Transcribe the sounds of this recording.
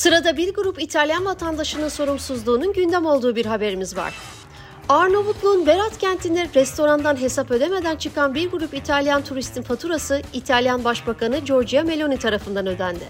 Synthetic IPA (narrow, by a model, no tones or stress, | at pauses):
sɯɾad̪abiɾɡuɾupit̪ʰalʲjanvat̪ʰand̪aʃɯnɯnso̞ɾumsuzlˠuːnunɟynd̪æmo̞lˠd̪uːbiɾɦabe̞ɾimizva̰ɾ̥ | aɾno̞vuk̪lˠunbeɾat̪cænt̪ʰind̪ʲɛɾɾɛst̪ʰo̞ɾand̪anɦe̞sapø̞d̪eme̞d̪ænt͡ʃʰɯkʰanbiɾɡuɾupit̪ʰalʲjant̪ʰuɾist̪ʰinfat̪ʰuɾasɯit̪ʰalʲjanbaʃbakʰanɯd͡ʒo̞ɾd͡ʒijame̞lʲo̞nit̪ʰaɾafɯnd̪anø̞d̪ænd̪ɪ